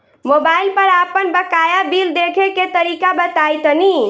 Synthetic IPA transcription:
mobailpəɾapənbəkajabild̪ekʰeket̪əɾikabət̪ajt̪ni

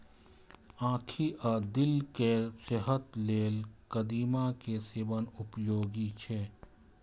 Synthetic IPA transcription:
ãːkʰiʔad̪ɪlkeseɦət̪leːlkəd̪iːmakesɪʋənʊpjoːɡit͡ʃʰɛː

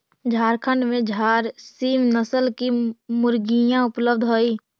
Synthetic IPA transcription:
d͡ʒʱaːɾkʰəɳɖmẽd͡ʒʱaːɾsiːmnəsəlkimʊɾɡijãʊpləb̚d̪ʱɦoːiː

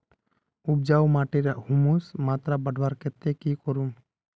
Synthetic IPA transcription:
ub̚d͡ʒawmaʈiɾaʔhumusmat̪ɾabəɖʱbaɾkɛt̪ːekikɔɾum

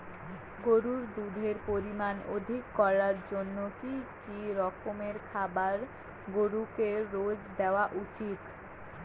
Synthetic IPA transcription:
ɡoɾuɾd̪ud̪ʱeɾpoɾimanod̪ʱikːɔɾaɾd͡ʑonːokikiɾɔkomeɾkʰabaɾ | ɡoɾukeɾod͡ʑd̪eoaʔut͡ɕit̪

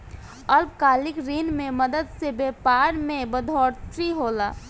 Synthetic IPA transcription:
əlpkaːlɪkɾiːnmẽməd̪əd̪sebeːpaːɾmẽbəd̪ʱɔːɾt̪ʰɾiɦoːlaː

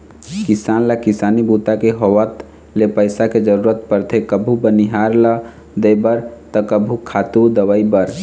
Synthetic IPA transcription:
kɪsanlakɪsanibut̪akeɦowət̪ | lepəɪsaked͡ʒəɾuɾət̪pəɾt̪ʰekəbʱubəniɦaɾlə | d̪əjbəɾt̪əkəbʱukʰat̪ud̪əwəibəɾ

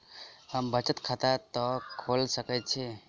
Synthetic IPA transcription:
həmbət͡ʃət̪kʰat̪at̪ɔkʰolsəkət̪̚t͡ʃʰi

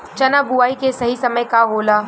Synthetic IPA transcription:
t͡ʃɐnabuaːikesɐɦisɐməjkaɦoːlaː

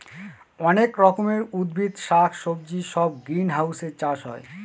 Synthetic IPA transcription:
ɔnekɾɔkomeɾud̪bʱit̪ʃakʰʃob̚d͡ʑiʃɔb̚ɡɾinɦawseɾt͡ɕaʃɦɔ̰e

